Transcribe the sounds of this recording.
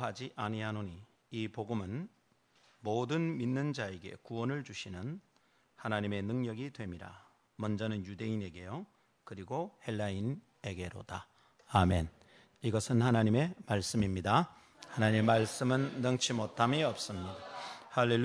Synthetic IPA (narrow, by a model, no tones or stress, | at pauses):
ɦad͡ʑiʔaɲiɦanoɲi | ipoɡɯmɯn | modɯnminːɯnd͡ʑae̞ɡe̞̰kuwʌnɯɭt͡ɕuɕʰinɯn | hanaɲime̞nɯŋɲʌɡidwe̞miɾa̰ | mʌnd͡ʑʌnɯnjude̞ine̞ɡe̞jo | kɯɾiɡohe̞lːain | e̞ɡe̞ɾo̰d̥aː | me̞n | iɡʌsʰɯnhanaɲime̞maɭs͈ɯmimɲida | hanaɲimemːaɭs͈ɯmɯnːʌŋt͡ɕʰimotʰamiʌp̚s͈ɯmɲidahalːe